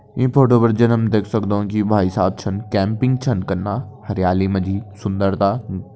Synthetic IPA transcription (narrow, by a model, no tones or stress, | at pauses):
ĩːpʰoːʈoːbəɾd͡ʒənɐmd̪eːkʰsɐkd̪oũkibʱaːisaːb̚t͡ʃʰɐnkɛ̃ːmpɪ̃ŋɡ̚t͡ʃʰɐnkɐɾnːaːhɐɾjaːlimɐ̃d͡ʒʱiːsʊ̃nd̪əɾt̪aː